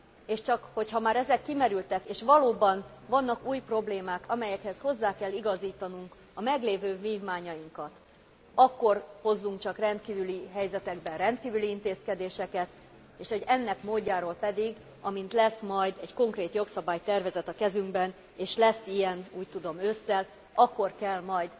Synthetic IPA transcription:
eːʃt͡ʃɒkho̞chɒmaːɾɛzɛkːimɛɾylt̪ɛkeːʃʋɒloːbɒnvɒnːɒkuːjpro̞bleːmaːkɒmɛjɛkhɛsho̞zːaːkɛlːiɡɒziːt̪ɒnuŋk | ɒmɛɡleːvøːviːvmaːɲɒjiŋkɒt̪ | ɒkːo̞rho̞zːuŋk̚t͡ʃɒkrɛnt̪kiːvyliɦɛjzɛt̪ɛɡbɛnrɛnt̪kiːvyliint̪eːskɛd̪eːʃɛkɛt̪ | eːʃo̞ɟɛnːɛkmoːɟːaːɾoːlpɛd̪iɡ | ɒmint̪lɛsmɒjd̪ɛɟko̞ŋkreːt̪jo̞ksɒbaːjt̪ɛrvɛzɛt̪ɒkɛzyŋɡbɛn | eːʃlɛsːijɛnuːc̚t̪ud̪o̞møsːɛl | ɒkːo̞rkɛlmɒjd̪

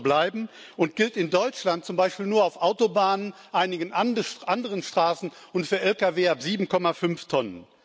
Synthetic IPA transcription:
blaɪbm̩ | ʊnt̚ɡ̥ɪltɪndɔʏt͡ʃlant̚t͡sʊmbaɪʃpiːlnuːɐaʊfʔaʊtobaːnən | ʔaɪnɪɡənʔandʃʔandəʁənʃtʁ̥aːsn̩ʊntfyːɐʔɛlkaveːapz̥iːbm̩kʰɔmafʏnftʰɔnən

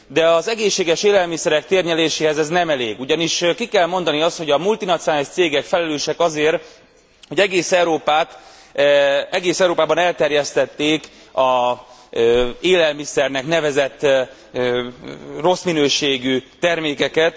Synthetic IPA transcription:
d̪ɛɒzɛɡeːʃːeːɡɛʃeːlɛlmisɛɾɛk̚t̪eːrɲɛleːʃeːɦɛzɛznɛmɛleːɡuɟɒniʃkikɛlmo̞nd̪ɒniɒst̪ho̞ɟɒmult̪inɒt̪sijnaːliʃt̪seːɡɛkfɛlɛløːʃɛkɒzeːr | hoɟɛɡeːsɛwɾoːpaːt̪ | ɛɡeːsɛuɾoːpaːbɒnɛlt̪ɛrjɛst̪ɛt̪ːeːk | ɒ | eːlɛlmisɛrnɛknɛvɛzɛt̪ː | ro̞sminøːʃeːɡyt̪ɛrmeːkɛkɛt̪

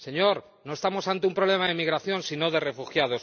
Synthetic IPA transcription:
se̞ɲo̞ɾ | no̞est̪amo̞sant̪eumpɾole̞maðemiɣɾaθjo̞nsino̞ðe̞re̞fuxjað̞o̞s

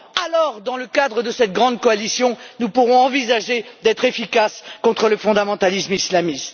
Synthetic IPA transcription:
alɔʁd̪ɑ̃ləkad̪ʁəd̪əsɛt̪̚ɡʁɑ̃d̪kɔalisjɔ̃nupuʁɔ̃ɑ̃vizaʒed̪ɛt̪χefikaskɔ̃t̪χələfɔ̃d̪amɑ̃t̪alismislamist̪

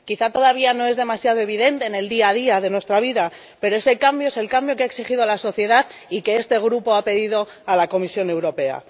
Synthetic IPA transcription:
kiθat̪o̞ðaβiano̞e̞zðe̞masjaðo̞e̞β̞iðe̞nt̪eːne̞ld̪iaðiaðe̞nwe̞st̪ɾaβ̞iða | pe̞ɾo̞e̞se̞kambjo̞ese̞lkambjo̞keaeksixiðo̞alaso̞θje̞ðaðike̞est̪e̞ɣ̞ɾupo̞ape̞ðiðo̞ | alako̞misjo̞ne̞wɾo̞pe̞a̰

